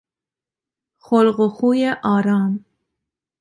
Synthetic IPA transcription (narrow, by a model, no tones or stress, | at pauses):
xolɢoxuːjeʔɑːɾɑːm